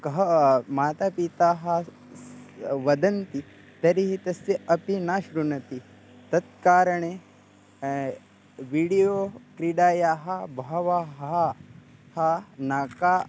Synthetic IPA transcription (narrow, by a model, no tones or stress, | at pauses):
kɐɦɐmaːt̪aːpit̪aːɦɐ̆ | ʋɐd̪ɐnt̪i | t̪ɐɾiɦit̪ɐsiɐpinaːʃɾunɐt̪i | t̪ɐt̪̚kaːɾɐɳe | ʋiːɽijoːkɾiɖaːjaːɦɐ̆bɐɦɐʋaːɦ | hɐnaːkaː